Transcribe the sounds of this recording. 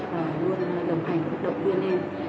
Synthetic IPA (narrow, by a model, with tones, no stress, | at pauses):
aː˨˩lu˧ənlə˨˩wŋ͡mɦa˨˩jŋ̟ka˦˥t̚ɗə̰˧˨wŋ͡mt̪wi˧əne˧n